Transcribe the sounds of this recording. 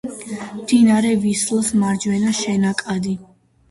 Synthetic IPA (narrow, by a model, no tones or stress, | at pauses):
md̪̥inaɾɛvislsmaɾd͡ʒwɛnaʃɛnakʼad̪i